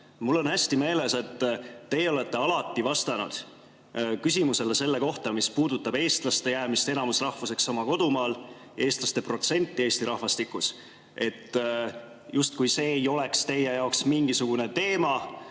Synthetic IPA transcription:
mulːo̞nhæsʲt̪ime̞ːle̞se̞t̪ːe̞jeo̞le̞t̪ːe̞ɑlɑt̪ːˑivɑst̪ɑnṵd̪̥ | kys̬ʲimuse̞lese̞lːe̞ko̞ht̪ɑmispuːd̪̥ut̪ːˑɑb̥e̞ːst̪lɑst̪e̞jæːmist̪enɑmusrɑhvuse̞ksːɑmɑko̞d̪umɑːl | e̞ːst̪lɑst̪e̞pro̞t̪se̞nʲt̪ˑːie̞ːsʲt̪iɾɑhvɑst̪ikːˑus | e̞t̪ː | just̪kujse̞ːjo̞le̞kst̪e̞jejɑoksmiŋɡ̥isuɡ̥une̞t̪e̞ːmɑ

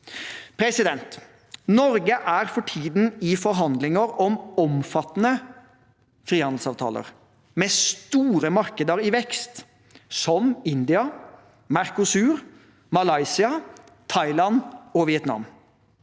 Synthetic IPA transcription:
pʰɾɛsɪd̪ɛnt̪ | nɔɾɡəʔæɾfɔʈʰiːd̪n̩ɪfɔɾɦɑnd̪lɪŋəɾɔmɔmfɑt̪ːnə | fɾiːhɑnd̪l̩sɑːʋt̪ʰɑ̰ːlə̰ɾ | meːst̪uːɾəmɑɾkəd̪əɾɪʋɛkst̪ | sɔmɪnd̪ɪɑ | mæɾkʊsʉːɾ | mɑlɑɪsɪɑ | t̪ʰɑɪlɑnɔʋɪɛt̪nɑ̰m

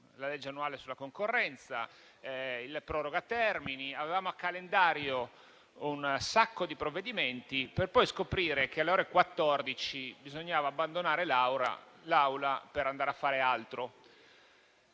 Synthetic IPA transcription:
laled͡ʒːeanːuaːlesulːakoŋkorːɛnt̪sa̰ | ilpɾɔːɾoɡat̪ːɛrminiavevaːmoakːalend̪aːɾjo | unsakːod̪ipɾovːed̪iment̪iperpɔjskopɾiːɾek̟ealːeoːɾekwat̪ːɔrd̪it͡ʃibizoɲːaːvaːbːand̪onaːɾelawɾa̰lawlapeɾand̪aːɾeafːaːɾealt̪ɾo

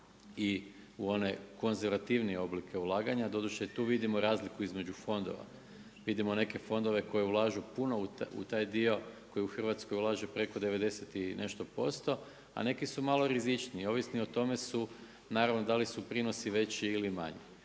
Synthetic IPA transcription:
i | uo̞ne̞ko̞nzeɾʋat̪iʋnie̞o̞blikʰe̞ulˠaːɡaɲad̪o̞d̪uʃt̪et̪uːʋid̪imo̞ɾaːzlikuizme̞d͡ʑufo̞nd̪o̰ʋa̰ | ʋid̪imo̞ne̞ke̞fo̞nd̪o̞ʋe̞ko̞jeulˠaːʒupuno̞uṵt̪aːjd̪io̞ko̞jiuxr̩ʋat̪skojulˠaːʒepɾe̞ko̞d̪e̞ʋe̞d̪e̞set̪inʔe̞̰ʃt̪o̞po̞st̪o̞ | a̰ne̞kisumalˠo̞ɾizit͡ʃniːo̞ʋisnio̞t̪ome̞su | naːɾaʋno̞d̪alisupɾino̞siʋe̞t͡ɕiːlima̰ɲi

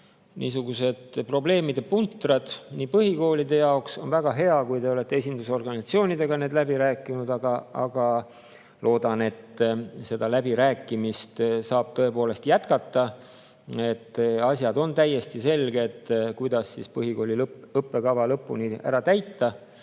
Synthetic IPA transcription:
nʔiːsuɡ̥use̞d̪̥pro̞ble̞ːmid̪̥epunt̪ːˑrɑd̪̥niːpɤɦiko̞ːlid̪e̞jɑokso̞̰nvæɡ̥ɑɦe̞ɑkujt̪e̞o̞le̞t̪ːeesʲind̪uso̞rɡɑnʲisɑt̪sio̞ːnid̪e̞ɡ̥ɑne̞ːd̪læbiɾæːkːˑinud̪ɑɡ̥ɑɑ̰ɡ̥ɑ | lʔo̞ːd̪̥ɑne̞t̪ːse̞d̪ɑlæbiɾæːkːˑimist̪sɑːb̥̚t̪ɤe̞po̞ːle̞st̪jæt̪kɑt̪ːɑ | e̞t̪ːɑsʲjɑd̪o̞nt̪æjːe̞st̪ise̞lɡeːt̪ːkujd̪̥ɑsːḭspɤɦiko̞ːlilɤpːe̞kɑvɑlɤpːṵniæ̰ɾɑt̪æjt̪ːɑ

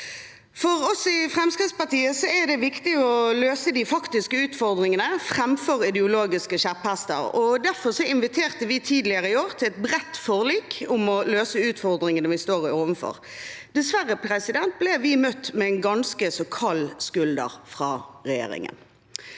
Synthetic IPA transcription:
fɔʁɔsɪfʁɛmskʁɪtspɑʁt̪iːəsɔɛʁd̪ɛʋɪkt̪ɪɔløːsəd̪ɪfɑkt̪ɪskəʉːt̪fɔʁd̪ʁɪŋənəfʁɛmfɔʁɪd̪ɛʊloːɡɪskəʃæphæst̪ə̰ɾɔd̪æʁfɔʁsɔɪnʋɪt̪ʰeːʁt̪əʋɪt̪ʰiːd̪lɪəʁəɪoːʁt̪ʰɪlɛt̪̚bʁɛt̪ːfoːʁliːkʰʊmɔløːsəʉːt̪fɔʁd̪ʁɪŋənəʋɪst̪oːʁɪoːʋənfɔ̰ʁ | d̪ɛsʋæʁːəpʰɾɛsɪd̪ɛnt̪̚blɛʋɪmœt̪ːmɛɛnɡɑnskəsɔkʰɑlːskʉld̪ə̰ʁfʁɑːʁɛjḛːɾɪ̰ŋə̰n

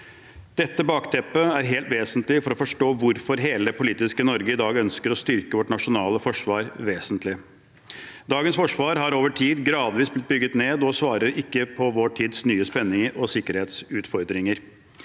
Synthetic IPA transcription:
d̪̥ɛt̪ːəbɑːkt̪ʰɛpːəæɾɦeːlt̪ʋeːsənt̪lɪfɔɾɔfɔʂʈoːʋʊɾfɔɾɦeːləd̪ɛpʊliːt̪ɪskənɔɾɡəɪd̪ɑːɡœnskəɾɔst̪ʏɾkəʋɔʈɳɑʂʊnɑːləfɔʂʋɑːɾʋeːsənt̪lɪ | d̪ɑːɡənsfɔʂʋɑːɾɦɑɾoːʋəʈʰiːd̪ɡɾɑːd̪ʋiːsblɪt̪̚bʏɡːət̪neːd̪ɔsʋɑːɾəɾɪkːəpʰɔʋoːʈʰiːd̪snyːəspɛnːɪŋəɾɔsɪkːəɾheːt̪sʉːt̪fɔɾd̪ɾɪŋəɾ

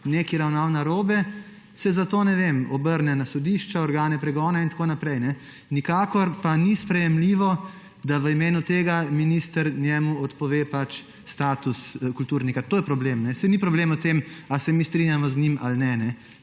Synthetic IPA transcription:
neːkiɾawnawnaɾoːbɛ | sɛzat̪oːnɛʋemɔbəɾnɛnasɔd̪iʃt͡ʃaɔɾɡaːnɛpɾɛɡɔːnaint̪akonapɾɛjnɛ | nikaːkɔɾpanispɾɛjɛmliʋɔ | d̪aʋəimeːnut̪eːɡaminiːst̪əɾnjɛːmuɔt̪pɔʋeːpat͡ʃ | st̪aːt̪uskult̪uːɾnikat̪oːjɛpɾɔblemnɛsɛnipɾɔbleːmɔt̪emasɛmist̪ɾinʲjamɔznimalnɛnɛ

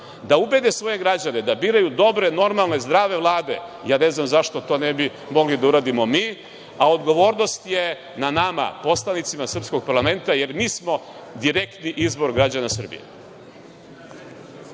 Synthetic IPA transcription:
d̪aube̞d̪e̞sʋo̞je̞ɡɾad͡ʑane̞d̪abiːɾajud̪o̞bɾe̞no̞ɾmalˠne̞zd̪ɾaːʋe̞ʋlˠaːd̪e̞̰jaːne̞znamzaʃt̪o̞t̪o̞nebi | mo̞ɡlid̪auɾaːd̪imo̞miː | ao̞d̪ɡo̞ʋo̞ːɾno̞st̪je̞ | nanama̰po̞slˠanit̪simasr̩psko̞ɡ̚paɾlˠame̞nt̪aje̞ɾmiːsmo̞ | d̪iɾe̞kt̪niʔizbo̞ɾɡɾad͡ʑanasr̩bḭjḛ

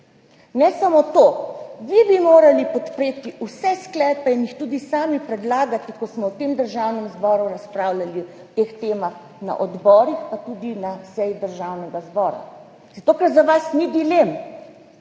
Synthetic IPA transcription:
nɛsamot̪oːʋibimoːɾalipɔt̪pɾeːt̪iusɛsklɛːpɛinjixt̪uːd̪isaːmipɾɛd̪laːɡat̪ikɔsmɔwt̪eːmd̪əɾʒaːwnɛmzbɔːɾuɾaspɾaːwlali | t̪ext̪eːmax | na̰ʔɔd̪bɔːɾixpat̪ud̪inasɛjid̪əɾʒawnɛɡazbɔːɾa̰ | z̥at̪oːkɛɾzaʋasnid̪ilem

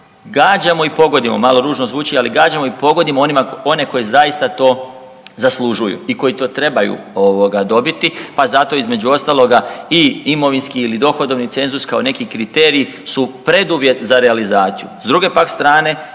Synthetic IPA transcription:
ɡaːd͡ʑamo̞ipo̞ɡo̞d̪imo̞̰malˠo̞ɾuːʒno̞zʋuːt͡ʃialiɡaːd͡ʑamo̞ipo̞ɡo̞d̪imoonimao̞ne̞ko̞jezaist̪at̪o̞ː | zaslˠuʒujṵiko̞jit̪o̞ːt̪ɾe̞bajṵ | oʋoɡad̪o̞bit̪ipazat̪o̞izme̞d͡ʑuo̞st̪alo̞ɡaiimo̞ʋinskiːlid̪o̞xo̞d̪o̞ʋnit̪se̞nzuskao̞ne̞kikɾit̪e̞ːɾiːsupɾe̞d̪uʋje̞t̪zaɾealizaːt̪sijṵzd̪ɾuɡe̞pakst̪ɾaːne̞

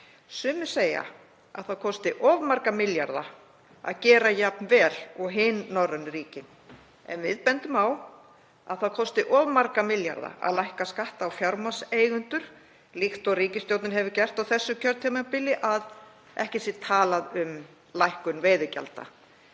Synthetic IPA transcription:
sʏːmʏ̥seːja̰ | a̰ðθawkʰɔwst̪ɪʔɔvmaɾkamɪljaɾða̰ | a̰ðcɛːɾajap̚nvɛːlɔɣɦɪːnːawɾanːɪɾiːcɪn | ɛ̰nvɪðpɛnt̪ʏmaw | aðθaðwkʰɔst̪ɪʔɔvmaɾkamɪlja̰ɾða̰ʔa̰ðlajhkaskaht̪aːwfjaɾmaseːjɣʏnt̪ʏɾ̥ | lixt̪ɔɣriːcɪst̪jowt̪nɪɾɦɛvɪcɛr̥t̪awθɛsːʏcʰœɾt̪ʰɪmapɪlɪʔað | ʔɛ̰hcɪsɪt̪ʰaːlaðʏm | lajhkʏnveːjðʏca̰lt̪a̰

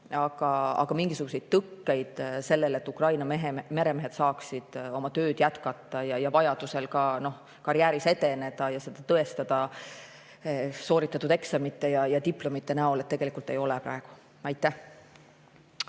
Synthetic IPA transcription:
ɑɡ̥ɑɑ̰ɡ̥ɑmiŋɡ̥isuɡuse̞jd̪̚t̪ɤkːe̞jd̪̥se̞lːe̞le̞t̪ːˑukrɑjnɑmeɦeme̞ɾe̞meɦe̞t̪sɑːksid̪̥o̞mɑt̪ø̞ːd̪̥jæt̪kɑt̪ːˑɑjɑjɑvɑjɑd̪̥use̞lkɑno̞h | kɑɾiæːɾise̞t̪e̞ne̞d̪̥ɑjɑse̞d̪̥ɑt̪ɤest̪ɑd̪̥ɑ | so̞ːɾit̪ːˑɑt̪ːˑud̪eksɑmit̪ːˑe̞jɑjɑt̪iplo̞mit̪ːe̞næo̞let̪ːe̞ɡ̥e̞likult̪ːˑe̞jo̞lepɾɑ̰e̞ɡ̥u̥ | ɑjt̪ːˑæh

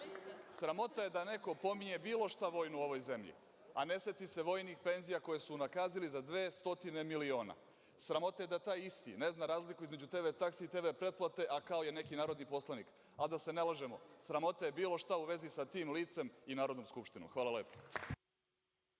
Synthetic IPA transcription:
sɾamo̞t̪aje̞d̪ane̞ko̞po̞miɲe̞biːlˠo̞ʃt̪aʋo̞ːjnuo̞ʋo̞jze̞mʎḭ | ane̞set̪ise̞ʋo̞ːjnixpe̞nzijako̞jesuunakaːzilizad̪ʋeːst̪o̞t̪ine̞milio̞ːna̰ | sɾamo̞t̪aje̞d̪at̪aːjist̪ḭne̞znaɾaːzlikuizme̞d͡ʑut̪e̞βe̞t̪akseit̪e̞bepɾe̞t̪̚plˠat̪e̞ʔakao̞jene̞kinaːɾo̞d̪nipo̞slˠanḭːk | ad̪ase̞nelˠaʒe̞mo̞sɾamo̞t̪aje̞biːlo̞ʃt̪auʋe̞zisat̪iːmliːt̪se̞minaːɾo̞d̪nomskupʃt̪ino̰mxʋaːlˠaleːpo̥

